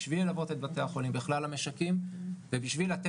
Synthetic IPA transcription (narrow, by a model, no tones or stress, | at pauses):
ʃvilelavo̞t̪et̪̚bat̪eaχo̞limbiχlalame̞ʃakimvebiʃvilat̪e